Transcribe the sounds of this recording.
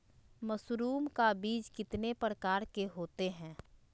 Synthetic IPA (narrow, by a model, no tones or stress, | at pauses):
mɐsɾuːmkabiːd͡ʒkɪt̪nepɾəkaːɾkeɦoːt̪eɦɛ̃ː